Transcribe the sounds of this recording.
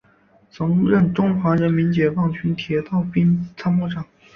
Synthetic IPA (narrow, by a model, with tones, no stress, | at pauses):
t͡sʰɤ˧˥ŋɻə˥˩nʈ͡ʂʊ˥ŋxwa˧˥ɻə˧˥nmi˧˥nt͡ɕjɛ˨˩fɑ˥˩ŋt͡ɕʰy˧˥nt̪ʰjɛ˧˥t̪ɑ˥˩ʊpi˥nt͡sʰa˥mu˥˩ʈ͡ʂɑ˨˩˦ŋ